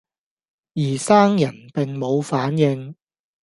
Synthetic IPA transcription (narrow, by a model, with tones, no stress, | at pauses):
jiː˨˩saː˥ŋjɐ˨˩npɪ˨ŋmo˨˧wfaː˨˥njɪ˧ŋ